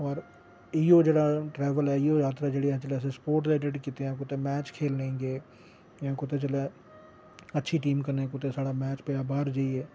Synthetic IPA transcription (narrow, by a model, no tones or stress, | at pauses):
ɔːɾ | iːoːd͡ʒeːɽaːʈɾɛːʋəlɛːioːjaːt̪ɾaːd͡ʒeːɽeãːt͡ʃəlɛːs̬ẽːspoːɾʈseːɖeɖkiːt̪eãːk̬ʊt̪eːmɛːt͡ʃkʰeːlnẽːŋɡeː | jãːkʊt̪ẽːt͡ʃəlɛː | ətːʃʰiːʈiːmkəɾnẽːkʊt̪ẽːsaːɽaːmɛːt͡ʃpeaːbaːɾd͡ʒaːiɛː